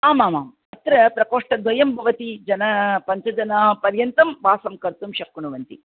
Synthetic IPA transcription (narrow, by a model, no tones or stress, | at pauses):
aːmaːma̰ːm | ɐt̪ɾɐpɾɐkoːʂʈɐd̪ʋɐjɐmbʱɐʋɐt̪id͡ʒɐnɐpɐɲt͡ʃɐd͡ʒɐnɐpɐɾjɐnt̪ɐmʋaːsɐmkɐɾt̪umʃɐkːuɳuʋɐnt̪ḭ